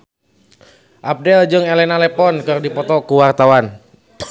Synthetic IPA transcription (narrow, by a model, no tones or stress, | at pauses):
ʔap̚dɛld͡ʒɨŋɛlɛnalɛpɔnkɨrdipɔt̪ɔkuwart̪awan